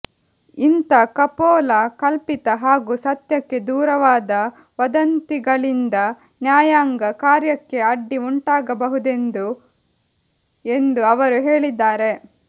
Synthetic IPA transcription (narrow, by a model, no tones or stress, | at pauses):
int̪ɐkɐpɔːlɐkɐlpit̪ɐɦaːɡuːsɐt̪jɐkːe̞d̪uːɾɐʋaːd̪ɐ | ʋɐd̪ɐnt̪iɡɐɭind̪ɐ | njaːjaːŋɡɐkaːɾjɐkːe̞ɐɖːiuɳʈaːɡɐbɐɦud̪e̞nd̪u | e̞nd̪uɐʋɐɾuɦe̞ːɭid̪ːaːɾe̞